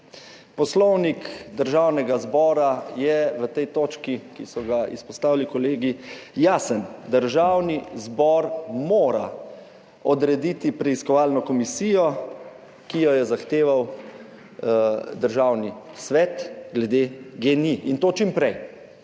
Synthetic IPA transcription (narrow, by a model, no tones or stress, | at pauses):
pɔslɔwnikd̪əɾʒawnɛɡazbɔːɾajɛʋət̪ɛjt̪oːt͡ʃkikisɔɡaḭspɔst̪aːʋilikɔleːɡijaːsənd̪əɾʒawnizbɔɾmoːɾa | ɔd̪ɾɛd̪it̪ipɾɛiskɔʋalnɔkɔmisijɔ | kijɔjɛzaxt̪eːʋaw | d̪əɾʒawnisʋɛt̪ɡlɛd̪eɡeniʔint̪oːt͡ʃimpɾɛj